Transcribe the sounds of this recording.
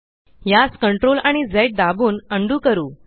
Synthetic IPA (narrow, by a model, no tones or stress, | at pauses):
jaskəɳʈɾolaɽ̃id͡zəjʈ̚d̪abuːnəɳɖuːkəɾuː